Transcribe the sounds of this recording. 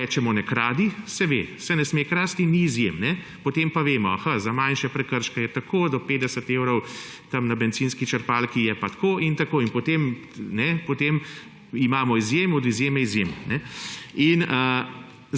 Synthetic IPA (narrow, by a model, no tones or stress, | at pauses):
ɛːt͡ʃɛmɔnɛkɾaːd̪isɛʋḛsɛnɛsmekɾaːst̪iniːzjemnɛ | pɔt̪empaʋeːmɔaxazamanʃɛpɾɛkəɾʃkɛjɛt̪akʰoːd̪ɔpeːd̪ɛsət̪eːwɾɔw | t̪ɐmnabɛnt̪ziːnskit͡ʃəɾpaːlkijɛpat̪kʰoːint̪akoːinpɔt̪emnɛpɔt̪eːm | imaːmɔizjemɔd̪izjeːmɛizjemnɛinə